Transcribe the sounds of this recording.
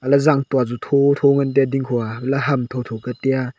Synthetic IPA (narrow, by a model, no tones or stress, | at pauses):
alazaŋtwazutʰotʰoŋand̬adiŋkʰɔabelaɦamtʰowtʰɔkateja